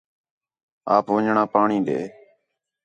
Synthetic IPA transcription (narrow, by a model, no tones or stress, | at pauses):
aːpʋəɲɳaːpaːɳĩːɗḛː